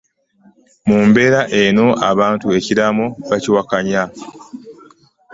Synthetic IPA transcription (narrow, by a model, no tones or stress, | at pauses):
muːmbe̞ɾaʔe̞no̞ʔaβaːntue̞ciɾamoβaciwakaɲa